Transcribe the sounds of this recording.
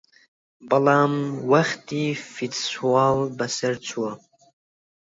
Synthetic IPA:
balamwaχʲtʰʼifitswalbasɨrt͡sʷʰwa

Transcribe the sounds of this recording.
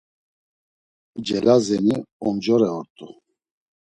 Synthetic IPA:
d͡ʒɛlazɛniɔnd͡ʒɔɾɛɔɾt̪ʼu

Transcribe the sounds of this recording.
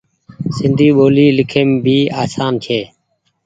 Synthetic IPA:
sɪnd̪ʱiːɓoːliːlɪkʰeːmbʱiːaːsaːnt͡ʃʰeː

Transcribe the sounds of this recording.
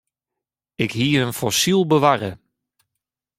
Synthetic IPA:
ɪkhiːəənfɔsilˠbəʋarə

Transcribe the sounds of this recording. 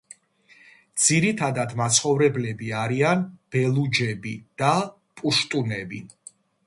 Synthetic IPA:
d̪z̥iɾit̪ʰad̪ad̪mat̪sʰχɔvɾɛblɛbiaɾianb̥ɛlˠud͡ʒɛbid̪̥a | pʼuʃt̪ʼunɛbḭ

